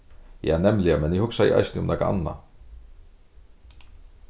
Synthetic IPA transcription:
jaːnɛmlɪamɛnɪhʊksaɪ̰ʔa̰jst̪nɪʊmnakaa̰nːa̰

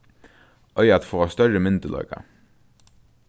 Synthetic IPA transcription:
ʔœʏɑt̪foːʁɑːst̪œɹəmʏnt̪əlɑ̰ːkɑ̰

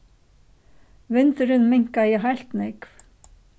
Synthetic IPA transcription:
vʏnt̪ʏɾɪnmɪŋ̥kajɛɦajl̥t̪nekv

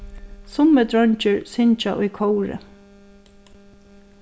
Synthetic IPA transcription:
sʊməd̪ɾɔɲt͡ʃəɹsɪɲt͡ʃa̰ʔʊjkʰowɹɪ̰

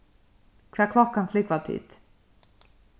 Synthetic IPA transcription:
kʰvæːkʰlɔkːanflɪkvɑt̪ʰḭt̪

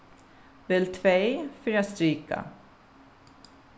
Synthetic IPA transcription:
vɪlt̪ʰvejfʏɾjast̪ɾiːka̰

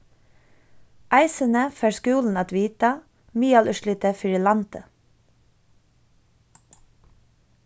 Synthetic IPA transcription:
ʔæɪsənəfæːɹskʉːln̩ɑːt̪ʋiːt̪a | miːɑlʔʉʃlɪt̪əfɪɹiːlɑnt̪ə

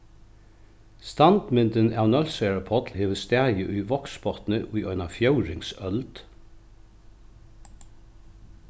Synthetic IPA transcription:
st̪ɑnd̪̥mɪnd̪ənɑːʋnœlsœːɹɑpʰɔt̪lheːʋəst̪æjəʔʉːʋɔksbɔt̪n̩əʔʉːʔœʏnɑfjœʉɹɪŋsœld̪̥

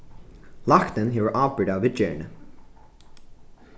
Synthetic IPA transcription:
lɑkt̪ə̃nɦiwə˞ʔɑbəɹɾavɪd͡ʒɛ̰ɹnə

